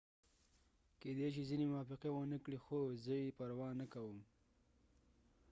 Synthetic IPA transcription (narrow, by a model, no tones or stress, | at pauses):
ked̪eʃ̬izinemʊwɑfɪqewənəkɽixozəjepaɾwɑnəkawəm